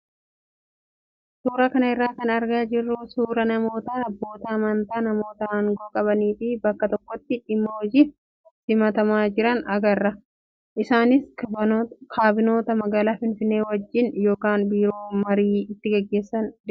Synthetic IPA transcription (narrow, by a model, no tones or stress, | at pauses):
suːɾɐkɐnɐɪrːaːkɐnɐɾɡaːd͡ʒɪrːʊsuːɾɐnɐmo̞ːt̪ɐːɐbːo̞ːt̪ɐːmɐnt̪aːnɐmo̞ːt̪ɐɐŋɡoːkʼɐbɐniːfɪbɐkːɐt̪ɔkːɔt̪ːɪᶑɪmːoːɔd͡ʒɪ | sɪmɐt̪ɐmaːd͡ʒɪɾɐnɐɡɐrːɐ | ʔɪsaːnɪs | kʰaːbɪno̞ːt̪ɐmɐɡaːlaːfɪnfɪnːe̞ːwɐd͡ʒːɪnjo̞ːkaːnbiːɾo̞ːmɐɾiːɪt̪ːɪɡɐɡːe̞ːsːɐnd̪